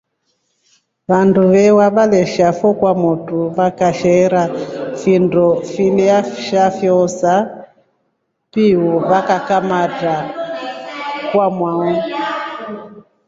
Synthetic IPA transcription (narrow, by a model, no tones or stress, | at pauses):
βanduβɛwaβalɛʃafɔkwamɔtuβakaʃɛɾafindɔfiliaʃafjɔsa | piɔβakakamata | kwamwaɔ